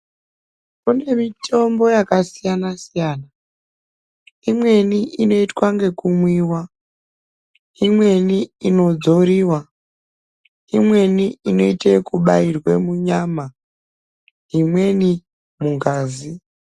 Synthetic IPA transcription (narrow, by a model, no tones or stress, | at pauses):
kune̞mitʰo̞mbo̞jakasijanasijaːna | imwe̞niʔino̞itwaŋɡe̞kumwiːwa | imwe̞niino̞d͡zo̞ɾiːwa | imwe̞niino̞itekuɓairwe̞muɲaːma | ɦimwe̞ni | muŋɡaːzi